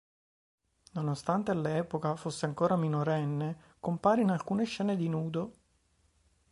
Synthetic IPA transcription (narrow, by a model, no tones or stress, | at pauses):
nonost̪ant̪ealɛːpokafosːeaŋkoːɾaminoɾɛnːe | kompaːɾinalkuːneʃːɛːned̪inuːd̪o